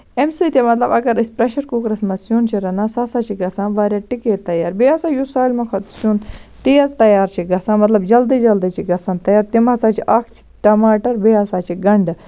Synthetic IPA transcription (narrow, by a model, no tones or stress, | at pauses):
emsiːt̪ʲemɐt̪lɐbɐɡɐɾispɾeʃɐɾkuːkɾɐsmɐsjuːnt͡ʃʰiɾɐnãːsaːsaːt͡ʃʰiɡɐsãːnʋaːɾʲjaːʈikeːt̪ːɐjaːɾbeaːsaːjusaːlmɐkʰɐt̪suːnt̪iːɐzt̪ɐjaːɾt͡ʃʰiɡɐsãːmɐt̪lɐbd͡ʒɐld̪id͡ʒɐld̪iːt͡ʃʰiɡɐsãːnt̪ɐjaːɾt̪imasaːt͡ʃʰiʔɐkʰt͡ʃʰi̥ʈɐmaːʈɐɾbeaːsaːt͡ʃʰiɡɐɳɖ